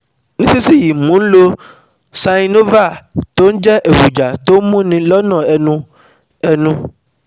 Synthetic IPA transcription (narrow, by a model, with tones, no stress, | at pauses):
nĩ˦si˦si˦ji˨mũ˦n̩˦lo˦ | sa˦jno˦va˦˨t̪o˦ŋ̩˦d͡ʒɛ˦ʔe˨ɸu˨d͡ʒa˨t̪o˦mũ˦nĩ˨lɔ˦nɔ̃˨ɛ˨nũ˦ | ɛ˨nũ˦